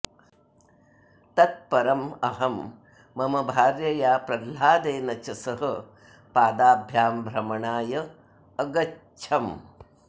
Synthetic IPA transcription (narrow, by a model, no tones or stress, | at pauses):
t̪ɐt̪̚pɐɾɐmɐɦɐmː | ɐmɐbʱaːɾjɐjaːpɾɐlaːd̪eːnɐt͡ʃɐsɐɦɐ̆ | paːd̪aːbʱjaːmbʱɾɐmɐɳaːjɐː | ɡɐ | t͡ʃʰɐm